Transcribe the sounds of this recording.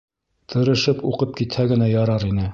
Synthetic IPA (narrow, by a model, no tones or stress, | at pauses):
t̪ʰɤ̆ɾɤ̆ʃɤpuqɤp̚kit̪hæɡɘ̆næjɑɾɑɾinɘ